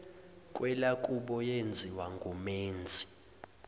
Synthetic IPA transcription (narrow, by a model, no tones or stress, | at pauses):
kʼwɛlakʼuɓɔjend͡zʱiwaŋɡʱumeːnd͡zʱi̥